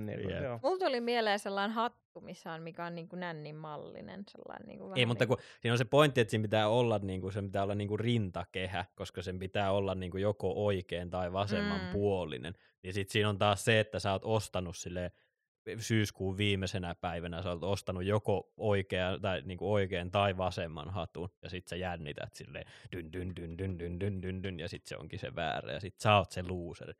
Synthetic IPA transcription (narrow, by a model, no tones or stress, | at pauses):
ḛmult̪olimieleːselːɑinhɑt̪ːumisːæonmikæonniːŋkunænːimmɑlːḭnḛnsḛlːɑ̰innḭːŋkueimut̪ːɑkusiːnonsepoint̪ːiet̪siːmpit̪æːolːɑnniːŋkusempit̪æːolːɑnniːŋkurint̪ɑkehækoskɑsempit̪æːolːɑnniːŋkujokoʔoikeːnt̪ɑiʋɑsemːɑmpuolːḭnḛn | nisit̪siːnont̪ɑːsseet̪ːæsæoːt̪ost̪ɑnussilːeː | syːskuːʋʋiːmesenæpæiʋænæsæoːt̪ost̪ɑnujjokooikeɑnt̪ɑiniːŋkuoikeːnt̪ɑiʋɑsemːɑ̰nhɑt̪unjɑsit̪sejænːit̪æ̰t̪sḭlːḛːt̪ynd̪ynd̪ynd̪ynd̪ynd̪ynd̪ynd̪ynjɑsit̪sḛo̰ŋkisḛʋæ̰ːræ̰jɑsit̪sɑot̪seluːsḛr